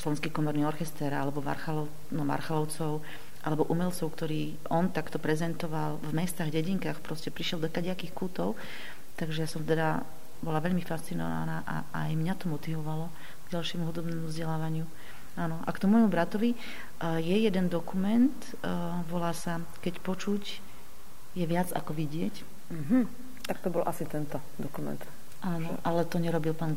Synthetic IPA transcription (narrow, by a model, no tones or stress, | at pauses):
slɔʋɛnskiːkɔmɔɾniːɔɾxɛst̪ɛɾa̰lɛbɔma̰ɾxalɔ | nɔma̰ɾxalɔʊt͡sɔʊ | ʔalɛbɔʔumɛlt͡sɔʊkt̪ɔɾiː | ɔnt̪akt̪ɔpɾɛzɛnt̪ɔʋalvmɛst̪aːɣɟɛɟiŋkaːxpɾɔscɛpɾiʃjɛld̪ɔkaɟɪakixkuːt̪ɔʊ | t̪aɡʒɛjasɔmt̪ɛd̪a | bɔlaʋɛʎmifast͡sinɔ̰ʋa̰naːʔa̰ | ajmɲat̪ɔmɔt̪iʋɔʋalɔ | ɡ̥ɟalʃɪɛmuɦud̪ɔbnɛːmuvzɟɛlaːʋaɲɪu | aːnɔʔa̰kt̪ɔmuɔjmubɾat̪ɔʋi | jɛjɛd̪ɛnd̪ɔkumɛnt̪ | ʋɔlaːsa | kɛcpɔt͡ʃuc | jɛʋɪad͡za̰kɔʋiɟɪɛc̩ | ɦm̩ | t̪ak̚t̪ɔbɔlʔasit̪ɛnt̪ɔ | d̪ɔkumɛ̰nt̪ | ʔaːnɔʔalɛt̪ɔɲɛɾɔbilpaːnɡ